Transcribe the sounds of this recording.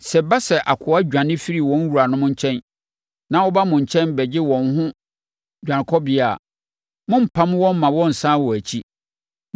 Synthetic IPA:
sɛ˨ba˦sɛ˨ʔa˨kʰʊ˨˦a˦d͡ʑᶣã˨nɪ̃˦fi˦ɾi˨wɔ̃˨˦n˦wu˨ɾa˨nʊ̃˦mʊ̃˦ɲ̩˦t͡ɕʰɛ̃˦n | nã˦wɔ˦ba˦mʊ̃˨ɲ˨t͡ɕʰɛ̃˦nbɛ˨d͡ʑɪ˦wɔ̃˨nɦʊ̃˦ | d͡ʑᶣã˨n˨kʰɔ˦bɪ˦a˨ | mʊ̃˦m̩˨pʰã˦m˦wɔ̃˦m˦mã˨wɔ̃˦n̩˨sãː˦wɔ˨æ˨t͡ɕʰi˦

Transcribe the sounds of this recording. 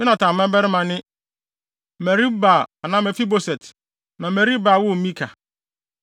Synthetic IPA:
mɪ̃˦nã˨tʰã˨mɛ̃˦bɛ˦ɾɪ˦mã˨nɪ̃˦ | mɛ˨ɾi˦ba˨a˨nã˦mɛ˨fi˦bo˦sɛ˨t | nã˨mɛ˨ɾi˦baː˨wʊ˦˨mĩ˦kʰa˨

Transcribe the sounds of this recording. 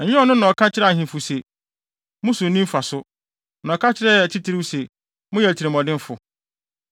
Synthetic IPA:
ɛ˨ɲɪ̃˦ɔ˨nʊ̃˦nɔ̃˨kʰa˦t͡ɕʰɪ˦ɾɛ˦a˨ɦĩ˨fʊ˨se˨ | mʊ̃˦sʊ̃˨nĩ˦m˦fa˨sʊ˦ | nɔ̃˨kʰa˦t͡ɕʰɪ˦ɾɛ˦ɛ˨t͡ɕʰi˦tʰi˦ɾi˦sɛ˨ | mʊ̃˦jɛ˨tʰi˨ɾɪ˨mɔ̃˨dɪ̃˦fʊ˨

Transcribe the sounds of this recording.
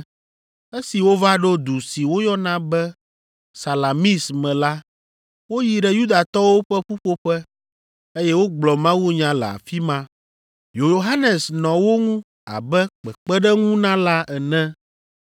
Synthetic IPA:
e˦si˨wo˦va˦ɖo˦d̪u˨si˨wo˦jɔ˦nã˦bɛ˦ | sa˨la˨mi˦smɛ̃˨la˦ | wo˦ji˨ɖɛ˨ju˦d̪a˨t̪ɔ˦wo˦ɸɛ˦ɸu˦ɸo˦ɸɛ˦ | e˦jɛ˦wo˦ɡ͡blɔ˨mã˦wu˦ɲã˦lɛ̰˨a̰˨fi˦mã˦ | jo˨jo˨ɦa˦nɛ˨snɔ̃˨wo˦ŋũ˦ | a̰˨bɛ˦k͡pɛ˨k͡pɛ˦ɖɛ˦ŋũ˦nã˦la˦ʔɛ˨nɛ̃˦

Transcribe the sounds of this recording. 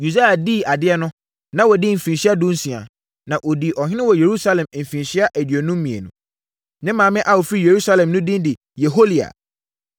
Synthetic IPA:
ju˨da˦a˨di˦˨a˨dɪ˦ɛ˦nʊ̃˦ | nã˦wɔ˨dɪ˦m̩˨fĩ˨nɕi˦a˦dũ˦n̩˦sĩ˨a̰˨ | nã˨ʔo˨di˨ʔɔ˨hɪ˦nɪ̃˦wɔ˨je˨ɾu˦sa˦lɛ̃˨m̩˨fĩ˨nɕi˦a˦ʔæ˨dɥo˨nũ˦m̩˦mĩ˨ḛ˨nũ˨ | nɪ̃˦mã˨mɪ̃˦ʔa˦wo˨fi˦je˨ɾu˦sa˦lɛ̃˨mnʊ̃˦dĩ˦n˦dɪ˨ | je˨ɦo˦li˨a̰˨

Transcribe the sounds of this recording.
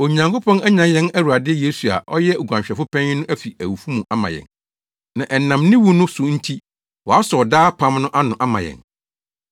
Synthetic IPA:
o˨ɲã˨ŋko˦pʰɔ̃˦næ˦ɲã˨njɛ̃˦næ˦wu˨a˨dɪ˦ɛ˦je˨˦su˨a̰˨ʔɔ˦jɛ˦u˨ɡʷã˨ɕᶣɛ˨fʊ˦pʰɛ̃˦ɲ˦nʊ̃˦ʔæ˦fi˨æ˨wu˨fu˦mũ˨ʔa˦mã̰˨jɛ̰̃˨n | nã˨ʔɛ˨nã˨mnɪ̃˦wu˦nʊ̃˦sʊ˨n̩˦tʰi˦ | wɔ˨a˦sɔ˨ɔ˨daː˦pʰã˦mnʊ̃˦ʔa˦nʊ̃˨ʔa˦mã̰˨jɛ̰̃˨n

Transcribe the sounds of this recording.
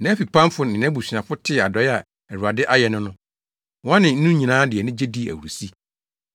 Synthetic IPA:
nã˦fi˨pʰã˦m˦fʊ˦nɪ̃˨nɛ̃˦bu˨si˨ã˨fʊ˦tʰɪ˦˨a˨dɔ˨ja˨ | ɛ˨ɾu˨a˨dɪ˦ʔa˦jɛ˨nʊ̃˦nʊ̃˦ | wã˦nɪ̃˨n̩˦nũ˦ɲi˨nãː˨˦dɪ˨ɛ˨nʊ̃˦d͡ʑe˦di˦˨æ̰˨wu˨ɾu˨si˦

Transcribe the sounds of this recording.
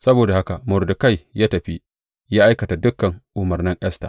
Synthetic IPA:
sɐ˦boː˨da˨ha˦ka˨mʊ˨rdʊ˨ka˦jjaː˦tɐ˨ɸi˦ | jaː˦ʔa˦jkɐ˨ta˨dʊ˦kːɐ˨ŋʔʊ˨mɐ˨rnɪ˦ŋʔɛ˦sta̰ː˨

